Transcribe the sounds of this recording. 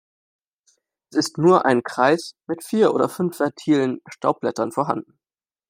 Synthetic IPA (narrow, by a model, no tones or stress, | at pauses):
ʔɛsɪstnuːɐʔa̰ɪnkʁ̥aɪsmɪtfiːɐʔoːdɐfʏnfv̥ɛɐtʰiːlənʃtʰaʊp̚b̥lɛtɐnfoɔɐɦa̰ndn̩